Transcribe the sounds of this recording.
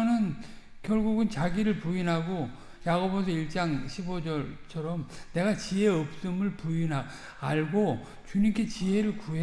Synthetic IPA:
ʌnɯn | kjʌɭɡuɡɯnt͡ɕaɡiɾɯɭpuinɦaɡo | jaɡobos̬ʰʌiɭt͡ɕ͈aŋɕʰibod͡ʑʌɭt͡ɕʰʌɾʌmne̞ɡat͡ɕie̞ʌp̚s͈ɯmɯɭpuinɦa | aɭɡo | t͡ɕuɲimk͈ʰe̞t͡ɕiɦe̞ɾɯɭkue

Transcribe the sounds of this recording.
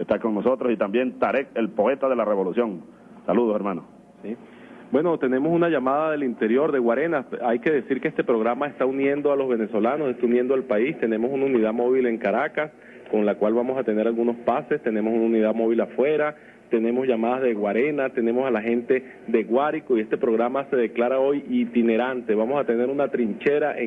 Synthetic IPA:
est̪ako̞ŋno̞so̞t̪ɾo̞sit̪ambje̞nt̪aɾek̚elpo̞e̞t̪aðe̞lare̞βo̞lusjo̞ŋ | saluð̞o̞seɾmanos | bwe̞no̞t̪e̞ne̞mo̞sunaʝamaðaðe̞lint̪e̞ɾjo̞ɾðe̞ɣwaɾe̞naajkeðe̞siɾkeest̪e̞pɾo̞ɣɾamae̞st̪aunje̞nd̪oalo̞zβe̞ne̞so̞lanosest̪aunje̞nd̪oalpaist̪e̞ne̞mo̞sunaunið̞amo̞βile̞ŋkaɾakas | ko̞nlakwalβamo̞sat̪e̞ne̞ɾalɣuno̞spase̞st̪e̞ne̞mosunaunið̞amo̞β̞ilafwe̞ɾa | t̪e̞ne̞mo̞zʝamað̞azðe̞ɣwaɾe̞nat̪e̞ne̞mo̞salaxe̞nt̪e̞ | ðe̞ɣwaɾikoie̞st̪e̞pɾo̞ɣɾamase̞ðe̞klaɾao̞jit̪ine̞ɾant̪eβamo̞sat̪e̞ne̞ɾunat̪ɾint͡ʃe̞ɾaʔe

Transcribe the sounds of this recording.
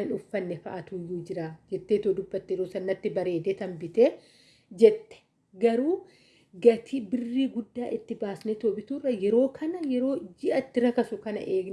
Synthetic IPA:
ɐnʊfːɐnːɛfɐʔɐt̪uːjːuːd͡ʒɪɾaːd͡ʒɛt̪ːeːt̪oːd̪ʊbːɐt̪ːɛɾoːsɐnːɐt̪ːɪbɐɾe̞ːd̪et̪ɐmbɪt̪e | d͡ʒɛt̪ːɛ̥ | ɡɐɾuː | ɡɐt̪ʰiːbɪrːiːɡʊd̪ːaːʔɪt̪ːɪbaːsnet̪oːbɪt̪uːrːɐjɛɾo̞ːkʰɐnɐjɛɾo̞ːd͡ʒɪʔɐt̪ːɪɾɐkɐsʊkɐnɐ̰ʔeːɡ

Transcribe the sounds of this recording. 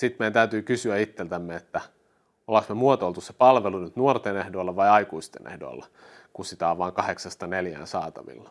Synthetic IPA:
sit̪mejænt̪æyt̪yːkysyæit̪ːelt̪æmːeet̪ːæ | olɑksmemuot̪olt̪usse̥pɑlʋelunyt̪nuort̪enehdoilːɑʋɑjɑikuist̪ḛnḛhdo̰ilːɑ | kusit̪ɑːʋʋɑːŋkɑheksɑst̪ɑneljæ̰ːnsɑːt̪ɑ̰ʋḭlːɑ̥

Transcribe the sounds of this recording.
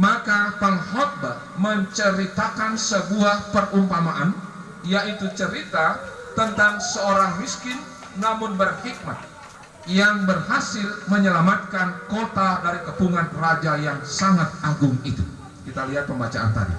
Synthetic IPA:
makapaŋhɔt̪̚ba | məɲt͡ʃəɾit̪akansəbuahpərumpamaʔan | jait̪ut͡ʃəɾit̪a | t̪ənt̪aŋsəoɾaŋmiskɪnː | amʊnbərhik̚mat̪̚ | jaŋbərɦasɪlməɲəlamat̪̚kankot̪adaɾikəpuŋanrad͡ʒajaŋsaŋat̪̚aɡʊŋit̪ṵ | kit̪aliɦat̪̚pəmbat͡ʃa̰ʔa̰nt̪a̰dḭ

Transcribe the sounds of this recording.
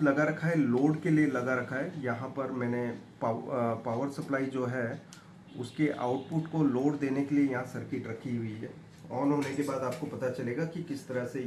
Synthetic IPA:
lɐɡaɾɐkʰaɦɛloːɖkelielɐɡaɾɐkʰaɛjɐɦãpɐɾmɛ̃ːnepːpaːʋəɾsɐplaːid͡ʒoːɦɛ | ʊ̰skeʔa̰ːʊʈpʊʈkoloːɖd̪eːnekeliejɐɦãsɐɾkɪʈɾɐkʰiɦʊiɦɛ̰ː | ɔːnɦoːnekebaːd̪aːp̚kopɐt̪at͡ʃɐleːɡakikɪst̪ɐɾəse

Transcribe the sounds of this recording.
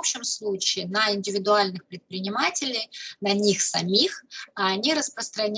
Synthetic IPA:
pɕɪmslˠut͡ɕɪɪnəɪnʲdʲɪvʲɪd̪ʊalʲnɨxpɾʲɪt̪̚pɾʲɪnʲɪmatʲɪlʲɪjnɐnʲixsɐmʲixɐːnʲiɾəspɾəst̪ɾɐnʲ

